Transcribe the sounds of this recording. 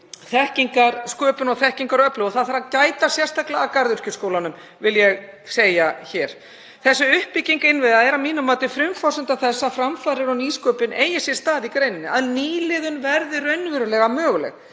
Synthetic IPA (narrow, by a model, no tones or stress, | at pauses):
θɛhciŋkaɾ̥skœːpʏnɔɣθɛhciŋkaɾɔœplʏɔθaðθaɾacaːjt̪asjɛr̥st̪ʰaklaːkaɾðʏɾ̥cʏskoːwlanʏm | vɪljɛɣ | seːjaçɛːɾ̥ | θɛsːʏʏhpiciŋkɪnvɪðaðɛɾamiːnʏmaːt̪ɪfɾʏmfɔsʏnt̪aθɛsːafɾamfaːɾɪɾɔniːskœːpɪneːjɪsjɛ̥st̪aːðikɾejnɪnɪaðniːlɪðʏnvɛɾðɪɾœɥnvɪɾʏlɛɣamœːɣʏlɛ̰ɣ